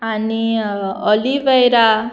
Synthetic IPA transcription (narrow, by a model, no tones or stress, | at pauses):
aniʌlibejɾa